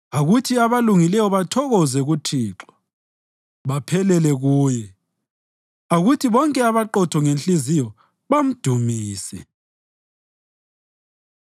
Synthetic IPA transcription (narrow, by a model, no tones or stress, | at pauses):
aɣutʰiaβaluŋilɛjɔβatʰɔɣɔzɛɣutʰiːǁḁ | βapʰɛlɛlɛɣuːjɛ | aɣutʰiβɔŋkʼɛaβaǃɔtʰɔŋenɬʼizijɔ | βam̩d̥ʱumiːsɛ